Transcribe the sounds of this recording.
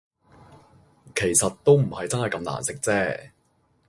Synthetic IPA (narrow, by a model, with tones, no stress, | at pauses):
kʰe˨˩jsɐ˨t̚t̪o˥wm̩˨˩hɐ˨jt͡sɐ˥nɦɐ˨jkɐ˧˥mna̰ː˨˩nsɪ˥k̚t͡sɛː˥˩